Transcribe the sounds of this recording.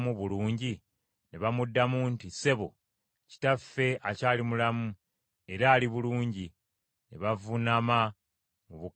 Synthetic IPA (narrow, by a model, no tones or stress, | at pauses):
muβuluːɲɟi | neβamudːamuntise̞βo̞̰ | ci̥tafːe̞acaːlimulamu | eɾaːliβuluːɲɟi | neβavunama | muβu